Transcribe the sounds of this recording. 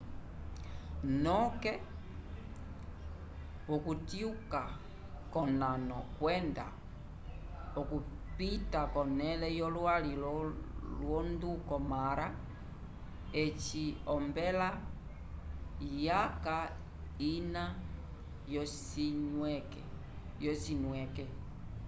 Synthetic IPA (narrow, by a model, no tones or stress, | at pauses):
nɔkɛ | ɔkutiuka | kɔnanɔ̰kwɛnda̰ | ɔku | pitakɔnɛlɛjɔlwalilɔlwɔndukɔmaɾa | ɛt͡ʃiɔmbɛla | jaka | ina | jɔsiɲɛkɛ | jɔsinwɛkɛ